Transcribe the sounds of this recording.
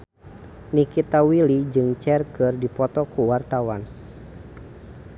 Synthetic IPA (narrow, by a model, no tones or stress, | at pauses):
nikit̪awilid͡ʒɨŋt͡ʃɛrkɨrdipɔt̪ɔkuwart̪awan